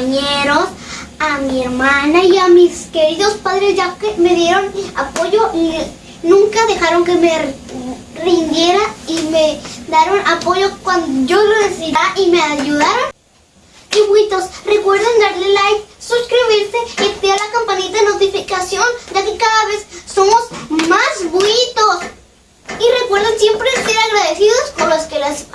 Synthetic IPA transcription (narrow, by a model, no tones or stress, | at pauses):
ɲeɾos | amieɾmanaiamiskeɾiðospaðɾesd͡ʒakemeðjeɾonapoʝoi | nũŋkaðexaɾoŋkeme | rind̪jeɾaimed̪aɾonʔapoʝokwand̪oʝoresiɾaʔimeaʝuðaɾon | iβwit̪osrekwe̞ɾðend̪aɾlelajssuskɾiβiɾseep̪ialakampanit̪aðenot̪ifikasjond͡ʒakekaðaβessomosmasβwit̪os | irekwe̞ɾðensjempɾest̪eɾaɣɾaðesiðoskonloskelas